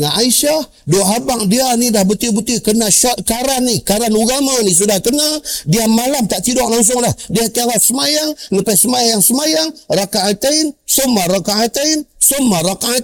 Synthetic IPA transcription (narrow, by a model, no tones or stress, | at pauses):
aʔaiʃah | doɦabaŋdianidahbət̪ibət̪ikənaʃɔkaɾanːikaɾanuɡamanis̬udahkənadiamalamt̪aʔt̪idɔʔlaŋs̬ʊŋdahdiak̪alasəmajaŋnəpasəmajajaŋsəmajaŋrakaʔat̪ainsomaɾakaat̪ainsomaɾakaa